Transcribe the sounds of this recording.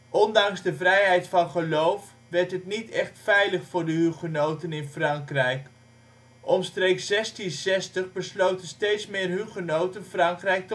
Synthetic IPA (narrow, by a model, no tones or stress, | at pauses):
ʔɔndɑŋzdəvrɛjɦɛjtfɑnχəlowf | ʋɛɹtɦətnitɛχtfɛjləχfʊːɹdəɦyχənowtənɪnfrɑŋkrɛjk | ʔɔmstrejkssɛstinsɛstəχbəslowtənstejtsmɪːrɦyχənowtənfrɑŋkrɛjk̚t